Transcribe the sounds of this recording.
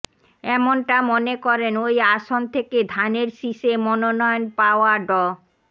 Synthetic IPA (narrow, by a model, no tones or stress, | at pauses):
ɛmonʈamonekɔɾenojaʃont̪ʰeked̪ʱaneɾʃiʃemɔnonɔonpaoaɖɔ